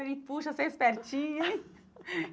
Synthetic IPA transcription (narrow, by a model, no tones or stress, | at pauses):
ɾiːt̪̚puːt͡ʃʰɐsespɛɾt͡ʃʰĩe